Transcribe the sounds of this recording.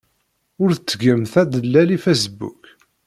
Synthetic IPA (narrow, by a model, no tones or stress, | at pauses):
ʊɾθət͡sːəɡəmθæd̪əlːælifæsbṵk